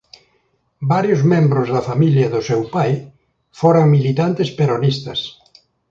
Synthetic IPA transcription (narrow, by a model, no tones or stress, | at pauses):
baɾjʊzmẽmbɾʊzðɐfamiljɐðʊsewpaj | foɾaŋmilit̪ant̪espeɾonist̪ɐs